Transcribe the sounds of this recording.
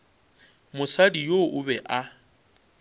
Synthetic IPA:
mʊsadijoʔʊbɛʔa

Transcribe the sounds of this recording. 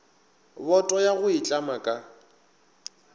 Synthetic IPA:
bɔtʼɔjaɣʊit͡ɬʼamakʼa

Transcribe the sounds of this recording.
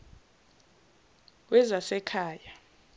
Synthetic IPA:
wɛzasɛkʰaːja

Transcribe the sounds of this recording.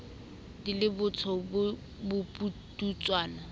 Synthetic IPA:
dilɪbʊt͡sʰɔbʊ | bʊputut͡sʼwaːna

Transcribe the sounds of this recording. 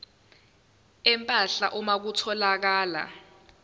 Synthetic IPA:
ɛmpʼaɬa̰ʔɔmak̬utʰɔlak̬aːla̰

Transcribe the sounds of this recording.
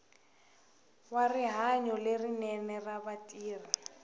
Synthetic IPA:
wariɦaɲɔlerinɛnɛrabatʼiːri

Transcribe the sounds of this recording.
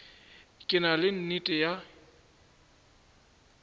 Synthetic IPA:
kʼɪnalɪn̩nitʼɪja

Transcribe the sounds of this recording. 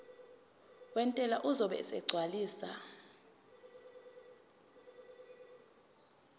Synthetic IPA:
wɛntʼɛlaʔuzɔɓɛ̰sɛ̰ɡ͡ǀʱwaliːsa̰

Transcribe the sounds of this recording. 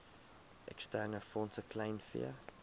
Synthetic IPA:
ʔɛ̰kstɛɾnəfɔnsəkʰlaɪnfḭə

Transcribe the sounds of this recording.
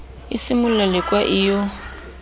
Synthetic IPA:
isimʊlalɪkʼwaʔijɔ

